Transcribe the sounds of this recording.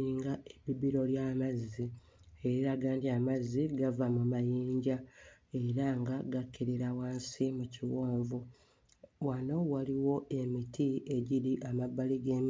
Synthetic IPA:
iːŋɡaeβibiɾo̞ljaːmazːi | eiɾaɡaːndiamaziɡavamumajiːɲɟa | e̞ɾaŋɡaɡakːeɾiɾawaːnsimuciwoːɱvu | wano̞waliwo̞ʔe̞mitʰie̞ɟiɾiʔamabːaliɡeːm

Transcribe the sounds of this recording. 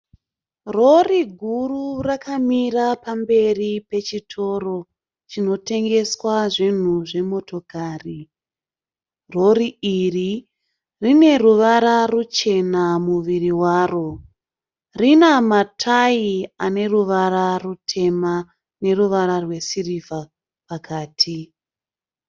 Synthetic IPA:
ro̞riɡʱururakamirapambe̞ripe̞t͡ʃitʰo̞ro̞ | t͡ʃino̞te̞ŋɡe̞swaʐin̤uʐe̞mo̞to̞kʰaːri | ro̞riiri | rine̞ruʋaɾarut͡ʃe̞namuʋiriwaːro̞ | rinamatʰaiane̞ruʋaɾarutʰe̞ma | ne̞ruʋaɾarwe̞siriva | pakʰaːtʰi

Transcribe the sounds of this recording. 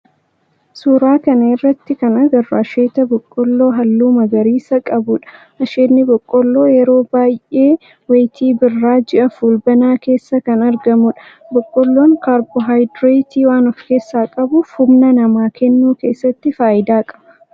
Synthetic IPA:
suːɾaːkɐnɐɪrːɐt̪ːɪkɐnɐɡɐrːɐɐʃeːt̪ɐbɔkʼːɔlːo̞ːɦɐlːuːmɐɡɐɾiːsɐkʼɐbʊᶑɐ̥ | ʔɐʃeːnːɪbɔkʼːɔlːo̞ːjɛɾo̞ːbaːjʔe̞ː | wejt̪ʰiːbɪrːaːd͡ʒɛʔɐfuːlbɐnaːke̞ːsːɐkɐnɐɾɡɐmʊᶑɐ̥ | bɔkʼːɔlːo̞ːŋkaːɾbɔɦajd̪ɾet̪iːwaːnɔfke̞ːsːaːkʼɐbʊfhʊbnɐnɐmaːkɛnːuːke̞ːsːɐt̪ːɪfaːʔɪd̪aːkʼɐ̥bɐ

